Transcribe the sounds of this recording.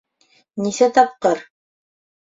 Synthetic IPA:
nisæt̪ɑp̚qɤɾ

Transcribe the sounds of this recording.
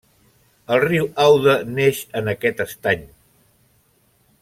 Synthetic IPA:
əlˠriwawðəneʃənəkɛt̪əst̪aɲ

